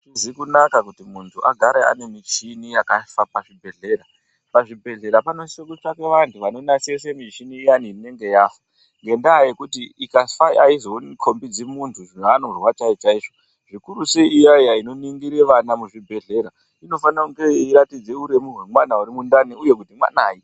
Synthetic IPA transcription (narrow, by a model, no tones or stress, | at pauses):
zikunakakutimuntʰuʔaɡʱaɾea̰ne̞mit͡ʃinijakafapaʐibʱe̞ɮe̞ːɾa | paʐibʱe̞ɮe̞ɾapanosekut͡ʃake̞ʋantʰuʋano̞nase̞s̬emit͡ʃinijaniine̞ŋɡe̞jaːfa | ŋɡe̞ndaːje̞kutiikafaiʔaizo̞nkʰo̞mbid͡zemuntʰuanorwat͡ʃait͡ʃaiːʐo | ʐikuɾuseijajaino̞niŋɡiɾeʋanamuʐibʱe̞ɮe̞ɾa | ino̞fanakuŋɡe̞iɾatid͡ze̞uɾe̞miɦwe̞mwanauɾimundaniuje̞k̬utimwa̰naːji